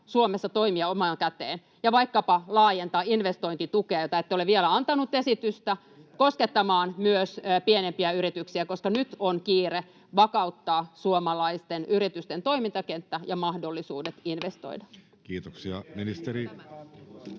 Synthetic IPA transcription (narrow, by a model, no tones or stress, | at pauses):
suomesːɑt̪oimiɑomɑːŋkæt̪eːn | jɑʋɑikːɑpɑlɑːjent̪ɑːinʋest̪oint̪it̪ukeɑjot̪ɑet̪ːeoleʋielæɑnt̪ɑnut̪ːesit̪yst̪æ | kosket̪ːɑmɑːnmyøspienempiæyɾit̪yksiækoskɑnyt̪onkiːre | ʋɑkɑut̪ːɑːsuomɑlɑist̪enyrit̪yst̪ent̪oimint̪ɑkent̪ːæjɑmɑhdolːisuːdet̪inʋest̪o̰idɑ | kiːt̪oksiɑ̰minist̪eɾi